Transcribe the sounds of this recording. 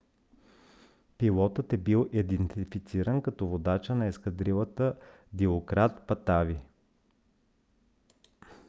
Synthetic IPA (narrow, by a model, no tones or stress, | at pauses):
pilˠɔt̪ət̪ɛbilˠʔid̪ɛnt̪ifit̪siɾənkɐt̪ɔvod̪at͡ʃənɐɛskɐd̪ɾilˠət̪ə | ɡ̪ʲiokɾat̪pɐt̪avi